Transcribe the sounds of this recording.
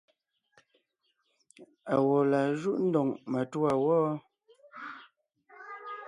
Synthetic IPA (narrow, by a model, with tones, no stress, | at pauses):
a˨wɔ˨la˨ʒu˦ʔn̩˦dɔ˨ŋmə˨tu˦a˨wɔː˦